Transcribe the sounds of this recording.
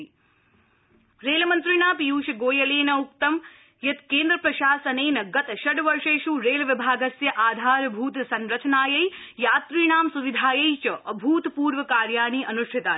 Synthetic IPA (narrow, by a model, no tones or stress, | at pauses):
ɾeːlɐmɐnt̪ɾiɳaːpjuːʃɐɡoːjɐleːnɐuk̚t̪ɐm | jɐt̪keːnd̪ɾɐpɾɐʃaːsɐneːnɐɡɐt̪ɐʃɐɖʋɐɾʂeːʃuɾeːlɐʋibʱaːɡɐsjɐʔaːd̪ʱaːɾbʱuːt̪sɐnɾɐt͡ʃɐnaːjɐjjaːt̪ɾiːɳaːmsuʋid̪ʱaːjɐjt͡ʃɐʔɐbʱuːt̪puːɾʋɐkaːɾjaːɳ̃iːʔɐnuʃʈʰit̪aː